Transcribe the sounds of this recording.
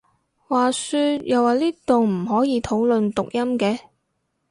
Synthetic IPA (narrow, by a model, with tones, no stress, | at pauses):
waː˨˩syː˧t̚jɐ˨waː˨˩liː˥t̪o˨ŋm̩˨˩ɦɔː˨˥jiː˨˧t̪ʰo˨˥wlɵ˨nt̪ʊ˨k̚jɐ˥mkɛː˧